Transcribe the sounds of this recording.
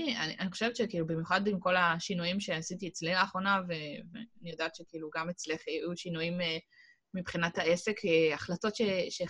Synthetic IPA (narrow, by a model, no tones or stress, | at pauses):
nianiʔaniχo̞ʃe̞vetʃekiːlubimjuχadimko̞laʃinujimʃeasitiet͡slinaːχʁo̞naveveanijo̞daːt̪ʃe̞kiiluɡamet͡sleχajuʃinujimeː | ibχinathae̞se̞keaχlato̞tʃeʃe